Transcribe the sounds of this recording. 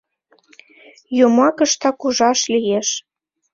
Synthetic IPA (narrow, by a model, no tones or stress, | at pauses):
jomɑkə̆ʃt̪ɑkuʒɑʃlijeʃ